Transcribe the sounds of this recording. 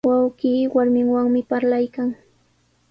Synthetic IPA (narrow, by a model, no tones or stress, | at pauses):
wawɢiːwaɾmɪŋwaŋmɪpaɾlajkaŋ